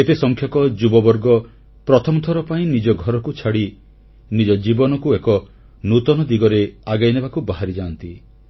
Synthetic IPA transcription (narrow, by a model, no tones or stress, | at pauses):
et̪esɔŋkʰjɔkɔd͡ʒubɔbɔɾɡɔ | pɾɔt̪ʰɔmɔt̪ʰɔɾɔpaĩnid͡ʒɔɡʱɔɾɔkut͡ʃʰaɽi | nid͡ʒɔd͡ʒibɔnɔkuekɔ | nut̪ɔnɔd̪iɡɔɾeaɡajnebakubaɦaɾid͡ʒaːnt̪i